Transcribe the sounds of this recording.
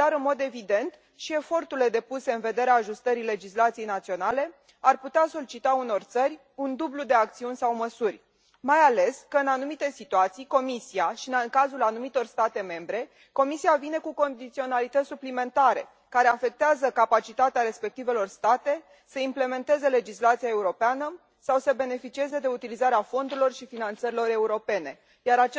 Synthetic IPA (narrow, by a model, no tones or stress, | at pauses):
d̪̥aɾɨnmo̞d̪e̞vid̪e̞nt̪ | ʃie̞fo̞rt̪uɾile̞d̪e̞puse̞ɨnve̞d̪e̞ɾeaːʒust̪əɾile̞d͡ʒislat̪sijejnat̪sio̞nale̞ | arput̪easo̞lit͡ʃit̪auno̞rt̪sərʲ | und̪ublud̪e̞ak̚t̪siunʲsawməsurʲ | majale̞skəɨnanumit̪e̞sit̪uat̪sijko̞misiaʃiɨnŋkazulanumit̪o̞rst̪at̪e̞me̞mbɾe̞ | ko̞misiavine̞kuko̞nd̪it̪sio̞nalit̪ət̪sʲsuplime̞nt̪aɾe̞̰ | kaɾe̞afe̞k̚t̪eazəkapat͡ʃit̪at̪eaɾe̞spe̞k̚t̪ive̞lo̞rst̪at̪e̞ | səimple̞me̞nt̪e̞ze̞le̞d͡ʒislat̪siae̞uɾo̞peanə | sawsəbe̞ne̞fit͡ʃie̞ze̞d̪e̞ut̪ilizaɾeafo̞nd̪uɾilo̞rʃifinant̪səɾilo̞ɾe̞uɾo̞pe̞ne̞ | jaɾat͡ʃe